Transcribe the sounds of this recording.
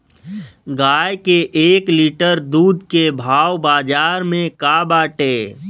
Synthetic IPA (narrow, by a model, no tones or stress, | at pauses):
ɡaːjkeʔeːkliʈəɾd̪uːd̪ʱkebʱaːwbaːd͡ʒaːɾmẽkabaːʈeː